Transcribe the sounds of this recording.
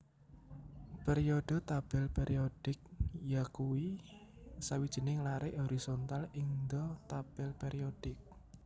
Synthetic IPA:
pɛɾiod̪̥o̤t̪ab̥ɛlpeɾʔiod̥ɪk̚jakuwi | sawid̥ʒ̥i̤nɪŋlaɾɪʔoɾisont̪aliŋd̪ɔt̪ab̥ɛlpeɾiod̥ɪk̚

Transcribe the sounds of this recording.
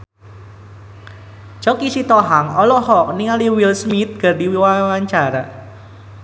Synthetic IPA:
t͡ʃɔkisit̪ɔɦaŋɔlɔhɔk̚niŋaliwilsmit̪̚ɡ̥ə̤rdiwiwawaɲt͡ʃaɾa

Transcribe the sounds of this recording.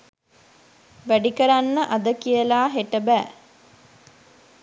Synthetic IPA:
ʋæɖikəɾanːəʔɐd̪əkijəlaːɦeʈəbæː

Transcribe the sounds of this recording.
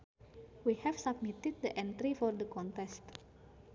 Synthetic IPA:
wihɛfsab̚mit̪id̪̚d̪əʔɛ̃nt̪ɾifɔrd̪əkɔ̃nt̪ɛst̪

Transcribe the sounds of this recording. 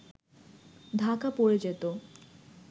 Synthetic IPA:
d̪ʱakapoɾed͡ʑet̪o

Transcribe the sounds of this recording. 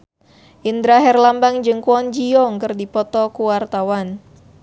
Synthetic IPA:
ʔind̪ɾaɦɛrlambaŋd͡ʒɨŋkuɔnd͡ʒiɔŋkɨrdipɔt̪ɔkuwart̪awan

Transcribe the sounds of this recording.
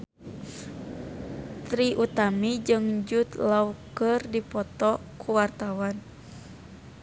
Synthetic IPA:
t̪ɾiʔut̪amid͡ʒɨŋd͡ʒut̪laukərdipɔt̪ɔkʰuwart̪awan

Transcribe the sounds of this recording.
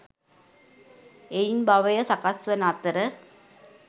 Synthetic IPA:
ejnbaʋɐjɐsɐkasʋɐnaːt̪ːɐɾɐ

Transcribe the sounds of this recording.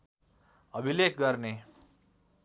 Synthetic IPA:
ʌbʱilekɡʌrne

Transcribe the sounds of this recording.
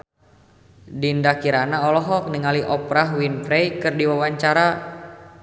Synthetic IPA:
dindakiɾanaɔlɔɦɔk̚nəŋaliʔɔpɾaɦwinfɾɛjkɨrdiwawaɲt͡ʃaɾa

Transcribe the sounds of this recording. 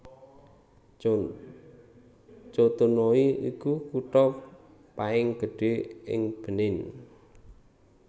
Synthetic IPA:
t͡ʃot̪unoiikukuʈɔ | paɪŋɡ̥ə̤ɖ̥e̤ɪ̰ŋb̥ə̤nɪn

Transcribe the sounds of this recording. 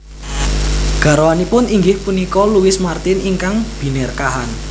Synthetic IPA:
ɡ̥a̤ɾowanipʊniŋɡɪhpunikɔluwɪsmart̪ɪniŋkaŋb̥i̤nɛrkaɦan

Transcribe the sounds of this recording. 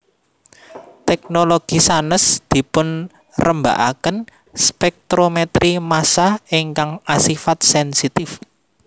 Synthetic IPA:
t̪ɛk̚noloɡ̥isanəsd̪̥i̤pʊn | rəmba̰ʔakən | spɛk̚t̪ɾomet̪ɾimasahiŋkaŋasifat̪̚sɛnsit̪ɪf

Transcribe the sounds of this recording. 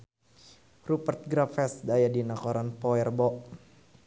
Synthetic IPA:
rupərt̪̚ɡɾafɛsdajadinakɔɾanpɔɛrbɔʔ

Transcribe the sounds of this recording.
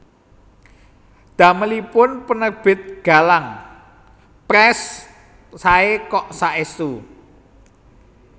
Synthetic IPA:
d̪̥ä̤məlipʊnpənərb̥ɪ̤t̪̚ɡ̥a̤laŋ | pɾɛsː | aekɔʔsaʔesu

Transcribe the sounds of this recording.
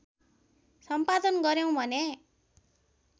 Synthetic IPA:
sʌmpad̪ʌnɡʌɾjʌw̃bʱʌne

